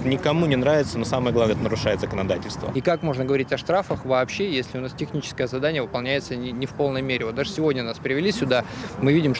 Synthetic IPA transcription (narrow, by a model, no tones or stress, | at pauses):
t̪nʲɪkɐmunʲɪnɾavʲɪt̪səno̞saməɨjəɡlˠavnəɛt̪ənəɾʊʂajɪt̪zəkənɐd̪atʲɪlʲst̪və̰ikakmo̞ʐnəɡəvɐɾʲitʲɐʂt̪ɾafəxvɐːpɕːejesʲlʲɪʊnastʲɪxnʲit͡ɕɪ̥skəjəzɐd̪anʲɪjəvɨpɐlˠnʲæjɪt̪sənʲɪnʲɪfpo̞lˠnəjmʲeɾʲɪvot̪d̪aʐɨsʲɪvo̞dʲnʲənaspɾʲɪvʲɪlʲisʲʊd̪amɨvʲidʲɪm